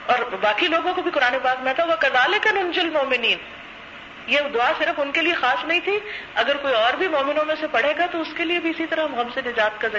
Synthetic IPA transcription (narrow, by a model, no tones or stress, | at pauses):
ɔːɾbaːkiloːɡõkobʱikʊɾaːnepaːkmɛ̃t̪aũʋɐkɐzaːlɪkɐnʊ̃nd͡ʒʊlmɔːmɪniːn | jeːd̪ʊaːsɪɾəfʊnkeliexaːsnɐɦĩt̪ʰiɐɡəɾkoːiɔːɾbʱimɔːmɪnõmẽsepɐɽ̤eːɡat̪oʊskeliebʱiɪsit̪ɐɾaɦɐmɣɐmsenɪd͡ʒaːt̪̚kɐzɐ